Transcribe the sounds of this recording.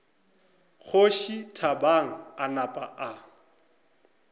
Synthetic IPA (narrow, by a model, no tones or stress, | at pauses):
χʰoʃitʰabaŋ̩anapʼa̰ʔa